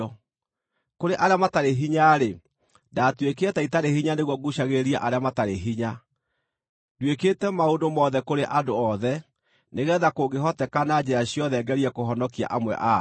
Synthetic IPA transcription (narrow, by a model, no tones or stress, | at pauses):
ɔ | koɾeʔaɾeamataɾeɦiɲaɾe | datwekeataitaɾehiɲaneɣwɔɡuɕaɣeɾiaʔaɾeamataɾeɦiɲa | dweketɛmaondomɔðɛkoɾeʔadoɔðɛ | neɣɛːðakoɡeɦɔtɛkanad͡ʑeɾaɕjɔðɛɡɛɾiɛkoɦɔnɔkia̰ʔamwɛ̰ʔa